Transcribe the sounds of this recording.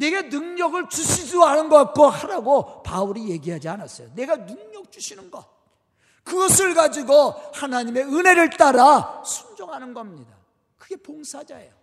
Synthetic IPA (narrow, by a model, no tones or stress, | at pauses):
ne̞ɡanɯŋɲʌɡɯɭt͡ɕuɕʰid͡ʑuanɯnɡʌk͈ohaɾaɡopauɾije̞ɡiɦad͡ʑianas͈ʌ̰jone̞ɡanɯŋɲʌk̚t͡ɕuɕʰinɯnɡʌ | kɯɡʌsʰɯɭɡad͡ʑiɡohanaɲime̞ɯne̞ɾɯɭt͈aɾasʰund͡ʑoŋɦanɯnɡʌmɲida | kɯɡe̞poŋsʰad͡ʑa̰ḛjo